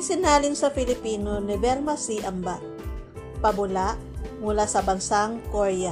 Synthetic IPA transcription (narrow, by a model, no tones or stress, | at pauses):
sɪnaːlɪnsɐfɪlɪpiːnonɛbɛlmɐsiʔɐmba | pɐbʊlaʔ | mʊlasɐbɐnsaŋkoɹja